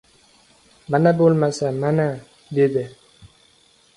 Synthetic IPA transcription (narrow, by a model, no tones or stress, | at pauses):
manabolmasamana | d̪ed̪e